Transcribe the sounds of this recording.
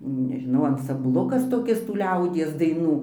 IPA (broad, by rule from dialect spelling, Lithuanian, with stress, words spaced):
nʲɛʒʲɪˈnɐʊ ɐnsɐmˈblˠʊkɐs toːˈkʲɪs tuː ˈlʲɛʊdʲiɛs dɐɪˈnuː